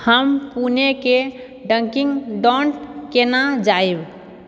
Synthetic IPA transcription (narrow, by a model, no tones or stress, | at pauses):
həmpuneke | ɖəŋkiŋɡɖɔ̃ɳʈkenad͡ʒaeb